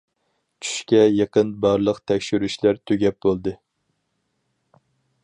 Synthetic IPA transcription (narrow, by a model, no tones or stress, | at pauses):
t͡ʃʰy̥ʃkʲɛjeqənbɑɾlˠəqt̪ʰɛkʲʃyɾyʃlæɾt̪ʰøɡʲɛp̚bolˠd̪ɨ